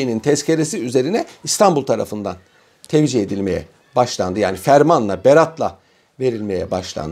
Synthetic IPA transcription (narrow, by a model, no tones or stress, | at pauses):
inint̪ʰɛscʰeɾesiyze̞ɾinɛist̪ʰambulˠt̪ʰaɾa̰fɯnd̪an | t̪ʰɛvd͡ʒied̪ilʲme̞jɛ̰ | baʃlˠand̪ɯja̰ːnifæɾmanlˠabeɾat̪lˠa | ve̞ɾilʲme̞jɛ̰baʃlˠa̰nd̪